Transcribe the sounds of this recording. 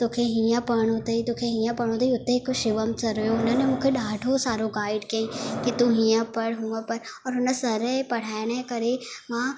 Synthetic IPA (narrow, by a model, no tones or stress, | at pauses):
t̪oːkʰeɦiãpɐɽ̃ot̪ɐit̪oːkʰeɦĩjãpɐɽ̃õt̪ʰɐiʊt̪ekoʃɪʋəmsɐɾəjoʊnənẽmũːkʰeɗaːɖʱosaːɾoɡaːɪɖkẽĩkit̪uɦĩjə̃pɐɽɦũːə̃pɐɾ | ɔːɾɦʊnəsɐɾəpɐɽ̤aːɪɽ̃ekɐɾeʋãː